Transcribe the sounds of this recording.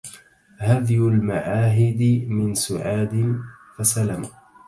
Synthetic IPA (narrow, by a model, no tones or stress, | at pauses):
haðjʊlmaʕaːɦɪd̪ɪmɪnsʊʕaːd̪ɪnfasalam